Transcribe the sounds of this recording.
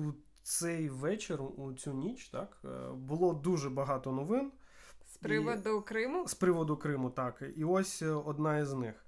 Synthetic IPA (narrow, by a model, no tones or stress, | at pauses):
u | sɛjʋɛt͡ʃerʊʔut͡sʲunʲit͡ʃt̪ɑkbʊlˠɔd̪uʒɛbɐɦɑt̪ɔnɔʋɪn | spɾɪʋɔd̪ʊkɾɪmʊspɾɪʋɔd̪ʊkɾɪmʊt̪ɑkiɔsʲɔd̪nɑiznɪx